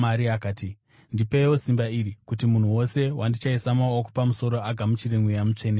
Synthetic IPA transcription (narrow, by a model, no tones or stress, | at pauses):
aɾiakaːti | ndipewo̞simbairikutimun̤uwo̞se̞wʔandit͡ʃaisamawoku̥pamuso̞ɾo̞aɡʱamut͡ʃireŋwijamut͡ʂe̞ne